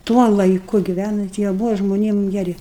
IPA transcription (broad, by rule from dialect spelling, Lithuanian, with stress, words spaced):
ˈtuɔ lˠɐɪˈkʊ ɡʲɪˈʋʲænɐnt jiɛ ˈbʊʋɐ ʒmoːˈnʲiɛm ɡʲɛˈrʲɪ